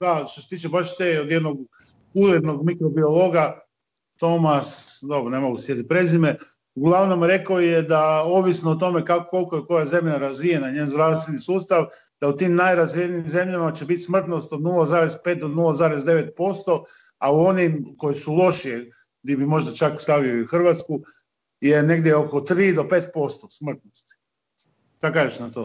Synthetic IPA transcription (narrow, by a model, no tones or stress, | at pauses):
d̪aʃt̪oset̪iːt͡ʃebaʃt̪eːod̪jed̪noɡ | uɾed̪no̞ɡmikɾobio̞lˠo̞ɡa | t̪o̞masd̪o̞bɾonemo̞ɡusjet̪ipɾe̞zime | uɡlˠaʋno̞mɾe̞kojed̪aoʋisnoːt̪o̞me̞kako̞lˠkojeko̞jaze̞mʎaɾazʋijenaɲeːnzd̪ɾaʋst̪ʋe̞nisuːst̪aʋ | d̪̥aut̪iːmnajɾazʋijeniːmze̞mʎamat͡ɕe̞bit̪smr̩t̪nost̪od̪nulazaːɾe̞zpeːt̪̚d̪od̪nulazaːɾe̞zd̪e̞ʋe̞t̪̚po̞st̪o̞auo̞nimko̞jesulˠo̞ʃije | ɡd̪ibimo̞ʒd̪at͡ʃakst̪aʋioiuxr̩ʋat̪sku | jene̞ɡd̪jeo̞ko̞t̪ɾiːd̪o̞pe̞ːt̪̚po̞st̪osmr̩t̪nost̪i̥ | ʃt̪akaʒeʃnat̪oː